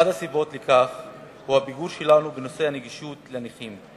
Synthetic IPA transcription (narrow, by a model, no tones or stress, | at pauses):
ad̪asibo̞tlekaf | huhabiɡuɾʃe̞lanubeno̞se̞haneɡiʃutleniχim